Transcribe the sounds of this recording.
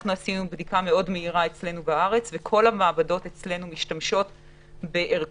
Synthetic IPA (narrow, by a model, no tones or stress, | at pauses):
anuasinubdikame̞o̞dmeiʁae̞t͡sle̞nubaaʁe̞t͡svekʰo̞lhamaːbado̞tet͡sle̞numiʃtamʃo̞t | be̞ʔeʁ